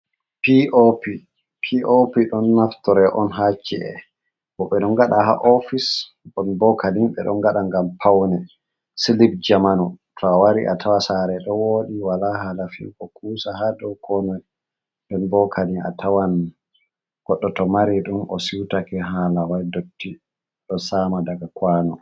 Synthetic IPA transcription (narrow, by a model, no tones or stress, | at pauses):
piʔopi | pʰiʔopiɗɔnːaftɔɾɛʔɔnɦat͡ʃːiɛ̰ | bɔɓɛɗɔnɡaɗaha̰ʔɔfis | ɗɔnbɔkʰalimɓɛ̰ɗɔ̰nɡaɗaŋɡampʰawnɛ | silibd͡ʒamanutʰɔwaɾḭʔa̰tʰawasaɾɛɗɔwoːɗiwalaɦalafḭkɔkuːsahadɔwkɔnɔj | ɗɛnbɔkʰalia̰tʰawan | ɡ̥ɔɗːɔtɔmaɾiɗumʔɔsiwtakɛɦalawajdotːi | ɗɔsaːmadaɡakwanɔ